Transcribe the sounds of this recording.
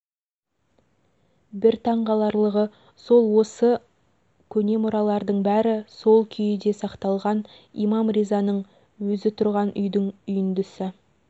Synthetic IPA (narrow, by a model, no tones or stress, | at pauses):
bɪɾt̪ʰɑɴʁɑlˠɑɾlˠəʁə | so̞lˠwo̞sə | kʲʰɵne̞mʊɾɑlˠɑɾd̪əɴbæɾɪso̞lˠkʲʰʏjɪd̪e̞sɑqt̪ɑlˠʁɑn | ḭmɑmrizɑnəɴ | wɵzɪt̪ʰʊɾʁɑnʔʏ̰jd̪ɪŋʏjɪnd̪ʏsɪ